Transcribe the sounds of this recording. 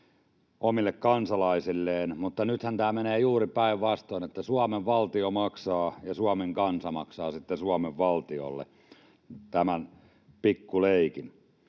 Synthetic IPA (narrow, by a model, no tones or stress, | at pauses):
omilːekkɑnsɑlɑisilːeːnmut̪ːɑnyt̪hænt̪æːmeneːjuːripæiʋʋɑst̪oinet̪ːæsuɑmeʋʋɑlt̪iomɑksɑːjɑsuɑmeŋkɑnsɑmɑksɑːsit̪ːesuɑmeʋʋɑlt̪io̰lːḛ | t̪æmæn | pikːuleikin